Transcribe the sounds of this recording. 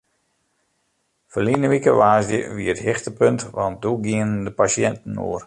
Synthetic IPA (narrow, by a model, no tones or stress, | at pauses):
fəlinəʋikəʋaːzdjə̰ʋiəəthɪxtəpøntʋan̚duɡiənəndəpasjɛntn̩o̰ər